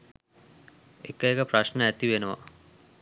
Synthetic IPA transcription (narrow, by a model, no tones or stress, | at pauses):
ekəekəpɾɐʃnəæt̪iʋenəʋa̰